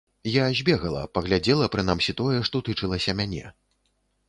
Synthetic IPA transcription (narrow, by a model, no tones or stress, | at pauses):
jazʲbʲɛɣɐlˠɐ̰pɐɣlʲad͡zʲɛlˠɐpɾɨnamsʲit̪ɔjɛʂt̪ɔt̪ɨt͡ʂɨlˠɐsʲɐmʲanʲɛ̰